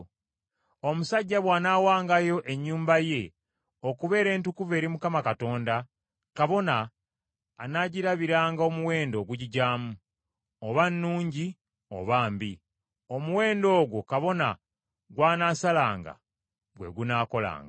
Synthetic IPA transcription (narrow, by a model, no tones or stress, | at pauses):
o̞musaɟːaβwaːnaːwaːŋɡajo̞ʔe̞ɲːuːmbaje̞ | o̞kuβe̞ːɾe̞ːntukuve̞ːɾimukamakato̞ːnda | kaβo̞naː | naɟiɾaβiɾaːŋɡaomuwe̞ːndo̞ːɡuɟiɟaːmu | oβanːuːɲɟi | o̰βaːmbi | o̞muwe̞ːndo̞ːɡwokaβo̞na̰ | ɡwaːnaːsalaːŋɡa̰ | ɡwe̞̰ɡunaːko̞la̰ːŋɡa